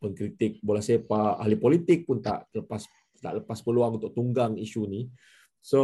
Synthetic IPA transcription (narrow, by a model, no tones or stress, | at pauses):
pənkɾit̪ɪk̚bolahsajapaa̰ɦlipolit̪ɪk̚pʊnt̪a̰ʔləpas | t̪a̰ʔləpaspəluaŋunt̪ʊk̚t̪uŋɡaŋiʃuni | so